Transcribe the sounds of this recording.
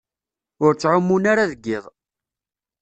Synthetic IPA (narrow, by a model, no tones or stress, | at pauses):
ʊɾt͡sːʕʊmːunaɾaðəɡːɪðˤ